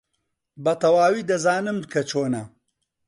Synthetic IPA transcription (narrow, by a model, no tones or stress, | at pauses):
bɐt̪ɐwaːwiːd̪ɐzaːnɨmkʰɐt͡ʃʰoːnɐ